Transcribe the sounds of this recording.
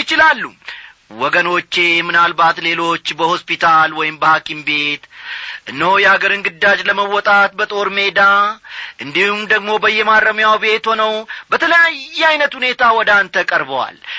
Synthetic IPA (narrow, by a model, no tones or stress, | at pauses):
ɪt͡ʃɪlalːu | wɔɡəno̞t͡ʃːe̞mɨnalbat̪le̞lo̞t͡ʃːbəho̞spit̪ʰalwɔjɪmbəhakʰimbe̞t̪ʔɨnːəhojɛaɡəɾɨŋɡɨd̪ːad͡ʒləməwːɔt̪ʼat̪bət̪ʼo̞ɾme̞d̪aʔɨnd̪ihumd̪əɡmo̞bəjːɛmaɾəmjawbe̞t̪ho̞nəwbət̪ʰələjajːɛajnət̪hune̞t̪ʰawɔd̪ant̪ʰəkʼəɾbəwa̰l